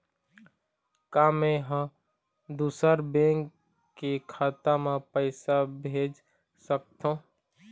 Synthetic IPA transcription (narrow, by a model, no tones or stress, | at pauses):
kaːmẽɦə̃ | d̪uːsəɾbẽːŋkː | ekʰaːt̪amãpəɪsabʱeːd͡ʒ | sək̚t̪ʰõː